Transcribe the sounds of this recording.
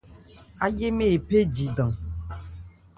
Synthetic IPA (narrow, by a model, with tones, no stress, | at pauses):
a˦je˦me˦e˨pe˦d͡ʒi˨dã˨